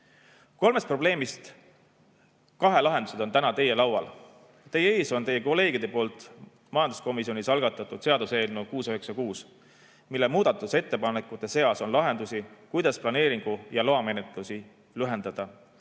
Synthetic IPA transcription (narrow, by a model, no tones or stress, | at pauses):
ko̞lme̞st̪̚pro̞ble̞ːmist̪ | kɑɦe̞lɑɦe̞nd̪use̞d̪o̞nt̪ænɑt̪e̞je̞lɑwwɑ̰l | t̪e̞jee̞ːso̞nt̪e̞jːe̞ko̞le̞ːɡ̥id̪̥e̞po̞ːlt̪ˑ | mɑjɑnd̪usko̞misio̞nʲisɑlɡ̥ɑt̪ːˑɑt̪ːˑud̪̥se̞ɑd̪use̞ːlnukuːsøɦeksɑkuːs | milːe̞muːd̪̥ɑt̪ːˑuse̞t̪ːe̞pɑnekːˑut̪ːˑe̞se̞ɑso̞nlɑɦe̞nd̪̥usikujd̪̥ɑsplɑne̞ːɾiŋɡ̥ujɑloɑme̞net̪ˑlusi | lyɦe̞nd̪̥ɑd̪̥ɑ